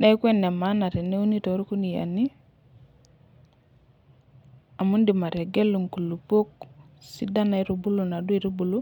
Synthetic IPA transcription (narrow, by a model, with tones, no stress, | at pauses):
ɗa˦jkʷe˦nːe˨ma˦na˨ɾi˨nːe˦u˦ni˦to˨˦ɾu˦ku˦ni˨ja̰˨ni˦ | a˨mu˦ndi˨ma˨ɾe˨ɡe˦lːu˨ŋku˨lu˨po˦k̚si˦da˦na˨i˦ɾu˨bu˦lu˨na˨du˦i˦ɾu˦bu˨lu˦